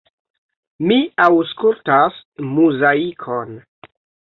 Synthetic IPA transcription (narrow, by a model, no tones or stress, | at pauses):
miawskultasmuzaikʰon